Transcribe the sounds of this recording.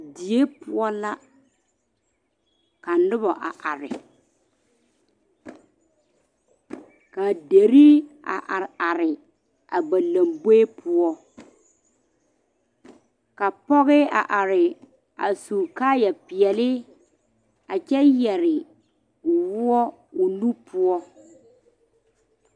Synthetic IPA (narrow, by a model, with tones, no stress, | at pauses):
di˨e˦pʊ˦ɔ˦la˦ | ka˨nʊ˦bɔ˨ʔa˨ʔa˨ɾɪ̰˨ | ka˨de˨ɾi˦a̰˨ʔa˨ɾa˨ɾɪ˨ | a˨ba˨la˨mbe˦e˦pʰʊ˦ɔ˦ | ka˨pɔ˦ɣɪ˦a̰˨ʔa˨ɾɪ˨ | a˨su˨kaː˦jɛ˨pɪ˨ɛ˨lɪ˦ | a˨t͡ʃɛ˦jɛ˨ɾɪ˨ | ʊ˨wʊ˦ɔ˦ | ʊ˨nu˦pʰʊ˦ɔ˦